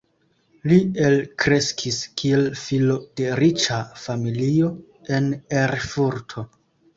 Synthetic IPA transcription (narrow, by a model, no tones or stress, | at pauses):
lie̞lkɾe̞skʰiskʰie̞lfilo̞d̥e̞ɾit͡ʃafamilio̞ | e̞neɾfuɾtʰo̞